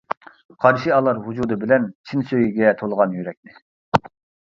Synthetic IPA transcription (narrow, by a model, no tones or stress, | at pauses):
qʰɑɾʃiɑlˠɑɾɦud͡ʒud̪ɨbɪlɛnt͡ʃʰinsøjiɡʲɛt̪ʰolˠəʁɑnjyɾɛk̚ʲnɪ